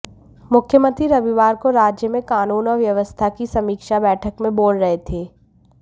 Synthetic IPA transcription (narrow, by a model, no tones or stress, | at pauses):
mʊkʰjəmə̃nt̪ɾiɾɐʋiʋaːɾkoɾaːd͡ʒjəmẽkaːnuːnɔːɾʋjɐʋəst̪ʰakisɐmiːkʃabɛːʈʰəkmẽboːlɾɐɦet̪ʰeː